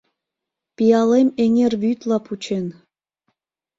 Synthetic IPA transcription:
pijɑlemeŋerβyt̪lɑput͡ɕen

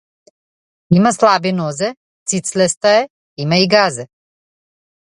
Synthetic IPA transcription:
imaslˠabinɔzɛ | t̪sit̪slɛst̪aɛ | imaiɡazɛ

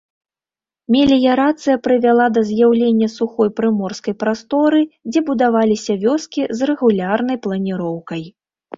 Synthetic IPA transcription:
mʲɛlʲijɐɾat̪sɨjɐpɾɨvʲalˠad̪ɐzʲjawlʲenʲːɐsuxɔjpɾɨmɔrskɐjpɾast̪ɔɾɨd͡zʲɛbud̪avalʲisʲɐvʲɔskʲizrɛɣulʲarnɐjplˠɐnʲiɾɔwkɐj

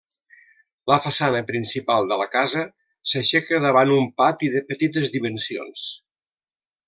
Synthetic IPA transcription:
ləfəsanəpɾinsipalˠd̪ələkazə | səʃɛkəðəβanumpat̪iðəpət̪it̪əzðimənsio̰ns

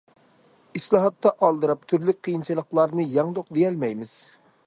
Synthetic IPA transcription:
islˠɑɦɑt̪ːɑʔɑlˠd̪ɨɾɑp̚t̪ʰyɾlyk̚ʲqʰijint͡ʃʰɨlˠəχlˠɑɾnɨjɑŋd̪oq̚d̪ejɛlmɛjmɪz̥

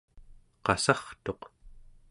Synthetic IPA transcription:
qɑsɑχt̪o̞q

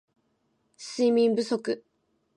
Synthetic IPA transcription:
siːmʲĩmbɯ̟so̞kɯ̟

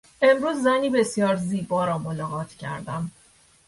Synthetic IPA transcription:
ʔe̞mɾuːzːæniːbe̞sijɒːɾziːbɒːɾɒːmolɒːɣɒːt̪ʰcʰæ̰ɾd̪æm

